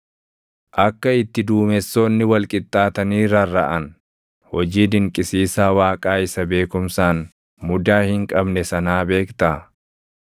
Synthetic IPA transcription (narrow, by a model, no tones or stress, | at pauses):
ʔɐkːɐɪt̪ːɪd̪uːmɛsːoːnːɪwɐlkʼɪt̪ʼːaːt̪ɐniːɾɐrːɐʔɐn | hɔd͡ʒiːd̪ɪŋkʼɪsiːsaːwaːkʼaːɪsɐbe̞ːkʊmsaːn | mʊd̪aːhɪŋkʼɐbnɛsɐnaːbe̞ːkt̪ɐ